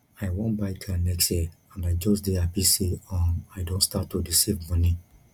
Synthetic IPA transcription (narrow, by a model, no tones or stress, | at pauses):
aɪwɔ̃nbaɪkʰanɛksjɛ | ãndajd͡ʒɔsdeapisiɔ̃naɪdõnstatːudisivmɔnĩ